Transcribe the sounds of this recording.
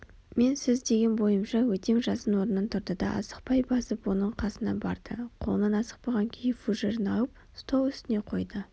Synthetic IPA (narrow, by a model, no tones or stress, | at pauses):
me̞nsɪzd̪e̞ɡʲe̞nbo̞jəmʃɑwɵt̪e̞ŋʒɑsənwo̞ɾənːənt̪ʰʊɾd̪əd̪ɑ̰ʔɑ̰sə̥q̚pɑjbɑsəpwo̞nəɴqʰɑsənɑ̰bɑ̰ɾd̪̥əqʰo̞lˠənɑnɑsə̥q̚pɑʁɑŋkʲʰejɪfuʒeɾənɑwəp̚ | st̪ʰowˠʏst̪ɪne̞qʰo̞jd̪ə